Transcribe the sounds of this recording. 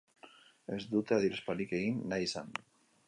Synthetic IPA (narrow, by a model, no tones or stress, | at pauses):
e̞zd̪ut̪e̞aðiɾespalike̞ɣinːajsan